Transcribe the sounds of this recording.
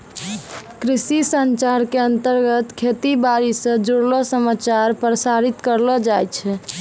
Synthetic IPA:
kɾisisənt͡ʃaɾkeənt̪əɾɡət̪kʰet̪ibaɾisə̃d͡ʒoɽlɔsəmat͡ʃaɾpɾəsaɾit̪kəɾlɔd͡ʒajt͡ʃʰɛ

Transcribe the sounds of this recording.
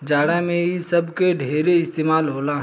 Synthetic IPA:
d͡ʒaːɽãmẽɦisɐbkeɖʱeːɾeɪst̪eːmaːlɦoːlaɦ

